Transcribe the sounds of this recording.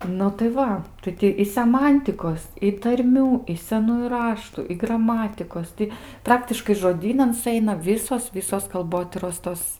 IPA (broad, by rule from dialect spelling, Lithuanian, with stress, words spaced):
ˈnʊ tɐɪ ˈʋɐ ˈtɐɪ tʲɪ ɪ sʲɛˈmɐnʲtʲɪkoːs ɪ tɐrʲˈmʲuː ɪ sʲɛˈnuːjʊ ˈrɑːʃtʊ ɪ ɡrɐˈmɑːtʲɪkoːs ˈtʲɪ ˈprɑːktʲɪʃkɐɪ ʒoːˈdʲiːnɐn sʊˈɛɪnɐ ˈʋʲiːsoːs ˈʋʲɪsoːs kɐlˠˈboːtʲiːroːs ˈtoːs